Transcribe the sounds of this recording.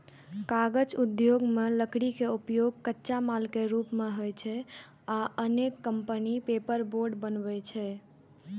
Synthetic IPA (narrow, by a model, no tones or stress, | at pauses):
kaɡəd͡ʒud̪joɡmeləkɽikeupjoɡ̚kətːʃamalkeɾupmeɦojt͡ʃʰɛ | aənekːəmpənipepəɾboɾɖbənbɛt͡ʃʰɛ